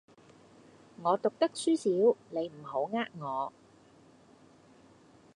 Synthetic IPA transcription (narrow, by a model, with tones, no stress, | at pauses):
ŋɔː˨˧t̪ʊ˨k̚t̪ɐ˥k̚syː˥siː˨˥wne˨˧jm̩˨˩ho˨˥wŋaː˥k̚ŋɔː˨˧